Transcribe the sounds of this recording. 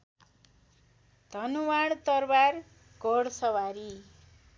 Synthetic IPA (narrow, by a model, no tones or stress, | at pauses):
d̪̥ʱʌnuwaɽt̪ʌrbar | ɡʌɽsʌwaɾi